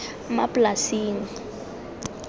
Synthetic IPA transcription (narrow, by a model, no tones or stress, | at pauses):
mapʼlasiːŋ̩